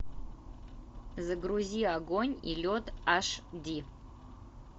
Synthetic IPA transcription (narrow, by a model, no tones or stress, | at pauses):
zɨɡruziaɡoɲʲḭlʲod̪aʂdi